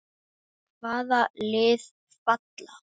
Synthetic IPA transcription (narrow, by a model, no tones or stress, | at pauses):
kʰvaːðalɪːð | fat̪la